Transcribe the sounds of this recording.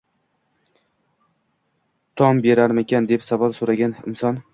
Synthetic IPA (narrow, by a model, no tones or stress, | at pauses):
t̪ʰɒmbe̞ɾaɾmekʲʰand̪epsavalˠsoɾaɡʲanɪ̰msɒn